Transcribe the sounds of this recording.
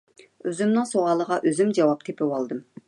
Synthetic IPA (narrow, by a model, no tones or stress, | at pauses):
øzymnɪŋsoʁɑlˠəʁɑʔøzymd͡ʒɑwɑp̚t̪ʰepʰɪwɑlˠd̪ɨm